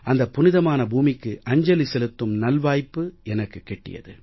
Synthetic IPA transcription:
ɐnd̪ɐpːʊnɪðɐmaːnɐbuːmɪkːɯʔɐɲd͡ʒɐlɪsɛlɯt̪ːɯmnɐlʋaːjpːɯɛnɐkːɯkːɛʈːɪ̰jɐ̰ðɯ

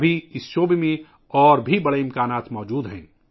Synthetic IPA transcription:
bʱiɪsʃoːbemẽ | ɔːɾbʱibɐɽeɪ̃mkaːnaːt̪mɔːd͡ʒuːd̪ɦɛ̰̃ː

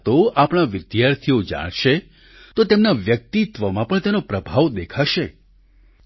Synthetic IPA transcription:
t̪oapɽ̃aʋɪd̪jaɾt̪ʰijod͡ʒa̰ɽ̃ʃe | t̪ot̪emnaʋjək̚t̪it̪ʋəmãpəɳt̪enopɾəbʱaʋd̪ekʰaʃe

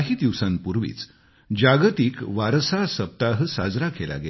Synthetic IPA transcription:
ɦiːd̪iʋsanpuɾʋḭːt͡s | d͡ʑaɡt̪iːkʋaɾsasəp̚t̪aɦəsad͡zɾakela̰ɡe

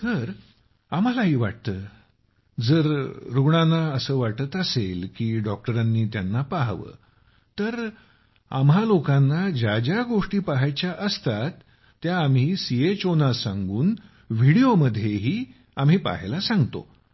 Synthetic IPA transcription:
t̪əɾ | am̤alaɦiːʋa̰ʈ̚t̪əː | d͡zəɾɾuɡɳanːaəsəːʋaʈət̪əselkiːɖɔk̚ʈəɾanːiːt̪janːapaɦʋə̰ː | t̪əɾ | a̰mɦalokãnːad͡ʑad͡ʑjaɡoʂʈiːpaɦajt͡ɕjaʔəst̪at̪ː | jaːmɦiːsiet͡ɕonasãŋɡuːn | ʋiɽijoməd̪ʱːjeɦiː | am̤ɦiːpa̰ɦlasãŋɡt̪o̰

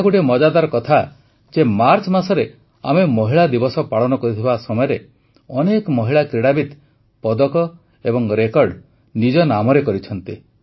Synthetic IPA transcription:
kuʈimɔd͡ʒad̪aɾɔkɔt̪ʰa | d͡ʒemaɾt͡ʃmasɔɾe | a̰memɔɦiɭad̪ibɔsɔpaɭɔnɔkɔɾit̪ʰibasɔmɔjɔɾe | ɔnekɔmɔɦiɭakɾiɽabit̪ | pɔd̪ɔkɔ | ebɔŋɾekɔɾɖ | nid͡ʒɔnamɔɾekɔɾit͡ʃʰɔnt̪i

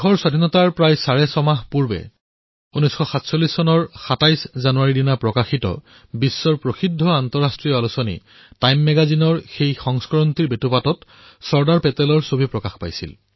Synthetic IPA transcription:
xɔɹswadʱinɔtaɹpɹajsaɹɛsɔmaɦpuɹbɛ̰ | unɔsxɔxatsolːisːɔnɔɹxatajszanuaɹidinapɹɔkaxitɔ̰ | bisːɔɹpɹoxidʱːɔantɔɹastɹijɔalusɔnḭ | tajmːɛɡazinɔɹxejxɔŋskɔɹɔntiɹbetupatɔt | sɔɹdaɹpɛtɛlɔɹsobʱipɹɔkaxpa̰jsḭl

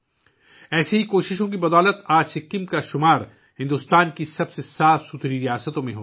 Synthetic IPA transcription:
ɛːseɦikoːʃɪʃõk̬ibɐd̪ɔːlət̪aːd͡ʒsɪkːimkaʃʊmaːɾ | hɪ̃nd̪ʊst̪aːnkisɐbsesaːfsut̪ʰɾiɾijaːsət̪õmẽɦoː

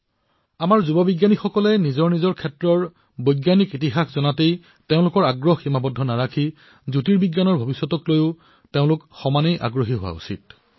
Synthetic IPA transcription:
amaɹzubɔbiɡjanixɔkɔlɛnizɔɹnizɔɹkʰɛtɹɔɹ | bojɡjanikitiɦaxzɔnatej | teʊ̃lʊkɔɹaɡɹɔxximabɔdʱːɔnaɹakʰi | zutiɹbiɡjanɔɹbʱobisːɔtɔklojʊ | teʊ̃lʊkxɔmanejʔa̰ɡɹoɦiɦʊwa̰ṵsḭt̚

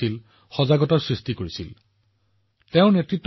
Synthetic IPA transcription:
il | xɔzaɡɔtɔɹsɹistikoɹisḭl | teʊ̃netɹitː

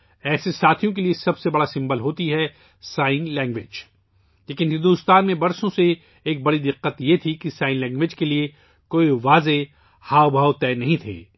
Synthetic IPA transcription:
ɛːsesaːt̪ʰijõk̬eliesɐbsebɐɽasɪ̃mbəlɦoːt̪iɦɛ | saːɪ̃nlɛ̃ːŋɡʋɪːd͡ʒ | leːkɪnɦɪ̃nd̪ʊɪst̪aːnmẽbɐɾsõseː | k̚bɐɽid̪ɪqːət̪jet̪ʰikisaːɪ̃nlɛ̃ːŋɡʋeːd͡ʒkelie | koːiʋaːze | haːʋbʱaːwt̪ɛːnɐɦĩt̪ʰḛː

